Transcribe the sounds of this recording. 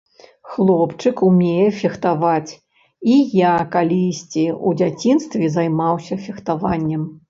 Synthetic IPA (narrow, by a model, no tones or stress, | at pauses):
xlˠɔpt͡ʂɨkumʲejɛfʲɛxt̪avat͡sʲ | ijakalʲisʲt͡sʲiud͡zʲat͡sʲinst̪vʲɛzajmawsʲɐfʲɛxt̪avanʲːɛm